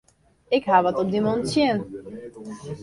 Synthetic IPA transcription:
ɪkɦaʋɔtɔb̚dimontsjɪn

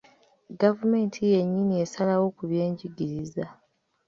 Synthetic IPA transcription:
ɡavume̞ːntʰije̞ɲːinie̞salawo̞kuβje̞ːɲɟiɡiɾiza

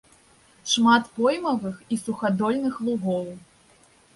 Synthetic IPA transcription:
ʂmat̪pɔjmɐvɨxisuxad̪ɔlʲnɨxlˠuɣɔw

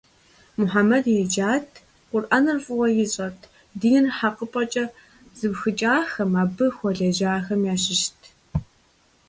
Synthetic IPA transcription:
mʊħamɐdjɛd͡ʒaːtʰ | qʷʊrʔanɨrfʼʊwɐjɪɕʼɐtʰ | diːnɨnħaqəpʼɐt͡ʃʼɐ | z̥ɨbxɨt͡ʃʼaːxɐmaːbɨxʷɔɮɐʒaːxɐmjaːɕɪʃtʰ

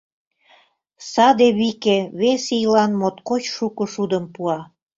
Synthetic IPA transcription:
sɑd̪eβikeβesijlɑnmot̪kot͡ɕʃukə̆ʃud̪əmpuɑ

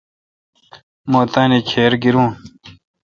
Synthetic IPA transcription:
moːt̪anikʰeːɾɡiɾũːn

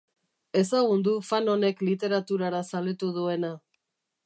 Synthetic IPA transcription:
e̞saɣund̪ufano̞ne̞klit̪e̞ɾat̪uɾaɾasalet̪uð̞ue̞na

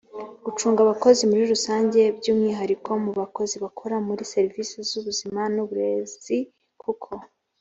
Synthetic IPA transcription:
ɡ̥ut͡ʃuːŋɡaβako̞zimuɾiɾusaːɲɟe̞bɟuːmŋiːɦaɾikʰo̞muβako̞ziβakʰo̞ɾamuɾise̞ɾiviːsizuβuzimanuβuɾe̞zi | kukʰo̞

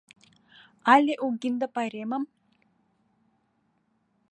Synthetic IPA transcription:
aleʔuɡind̪ɐpaɾemɐm

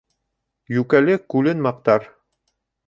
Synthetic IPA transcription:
jʉkælɘkʉlɘnmɑq̚t̪ɑɾ

